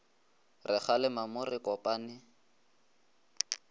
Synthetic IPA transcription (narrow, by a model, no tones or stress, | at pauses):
rɪχalɪmamʊrɪkɔpʼaːnɪ